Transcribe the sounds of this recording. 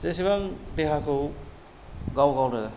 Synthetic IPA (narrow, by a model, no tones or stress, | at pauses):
zesiβaŋd̪eɦakʰɯw | ɡawɡawɾɯ